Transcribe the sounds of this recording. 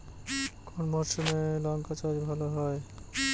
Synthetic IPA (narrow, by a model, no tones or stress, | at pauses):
kɔnmɔɾʃɔmelɔŋkat͡ʃaɾbʱaloɦɔe